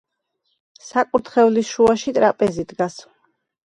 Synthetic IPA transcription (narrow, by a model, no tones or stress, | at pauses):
sakʼuɾt̪ʰχɛvlisʃuaʃit̪ʼɾapʼɛzid̪ɡas